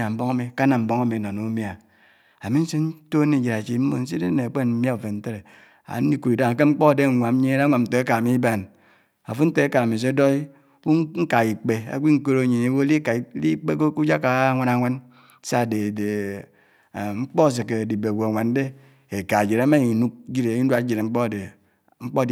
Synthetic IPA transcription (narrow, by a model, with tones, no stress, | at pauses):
a˨m̩˦bo˦ŋa˦mi˨ka˦na˨m̩˨˦bo˦ŋa˦mi˨no˨nu˨˦mja˨ | a˨mi˦n̩˦si˦n̩˦to˦ni˨d͡ʒe˨ɾa˨t͡ʃi˨m̩˦mo˦˨n̩˦s̬i˦de˦ne˨a˨k͡pe˦˨m̩˦mja˦u˨fe˨n̩˦te˦ɾe˨ | a̰˨˦i˦ku˨ɾi˨da˦ŋa˨k̬e˦ŋ͡m̩˦k͡po˦˨de˦˨ŋʷa˨m˦ɲe˦ɾa˦ŋʷa˨mn̩˨te˨˦e˦ka˨a˨mi˦ba˨n | a̰˨fu˦n̩˦te˦e˦ka˨a˨mi˨s̬e˦do˦i˦ | ku˦ŋ˦ŋ̩˦ka˨i˨k͡pe˨a̰˦k͡pi˦ŋ̩˦ko˦ɾo˦˨ɲi˨ne˨˦wo˦li˦ka˨˦li˦k͡pe˦ko˦ku˦d͡ʒa˦ka˨˦ŋʷa˦na˨˦ŋʷa˦n˦ | sa˦˨de˨de˨ | ŋ͡m̩˦k͡po˦˨s̬e˨ke˨di˨be˨ɡʷo˨ŋʷa˨n˦de˦ | e˨ka˨d͡ʒi˨ɾa˦ma˦i˨nu˦k̚d͡ʒi˦ɾe˨˦i˦du˦a˨˦d͡ʒi˨ɾe˨ŋ͡m̩˦k͡po˦˨de˨ | ŋ͡m̩˦k͡po˦˨